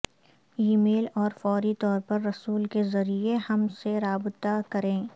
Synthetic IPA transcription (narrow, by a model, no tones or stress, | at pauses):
imeːlɔːɾfɔːɾit̪ɔːɾpɐɾːɐsuːlkezɐɾiehɐmseɾaːbt̪akɐɾẽː